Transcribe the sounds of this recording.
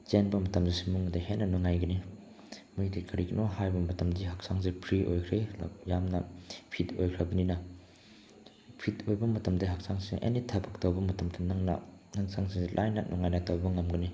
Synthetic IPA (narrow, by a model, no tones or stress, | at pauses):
t͡ʃenbɐmɐtɐmzisimuŋdahenːɐnuŋajɡɐni | mujdikʰɐɾiɡinohajbɐmɐtɐmdiɦɐk̚saŋsipʰɾiʔojkʰɾḛjamnɐ̰pʰitojkʰɾɐbɐninɐ | pʰitojbɐmɐtɐmdɐɦak̚saŋsiŋʔḛnitʰapʰɐktɐwbɐmɐtɐmdɐnɐŋnɐ̰ | nɐŋsaŋsiŋsilʔajnɐnʔuŋajnɐtawbɐŋɐmɡɐni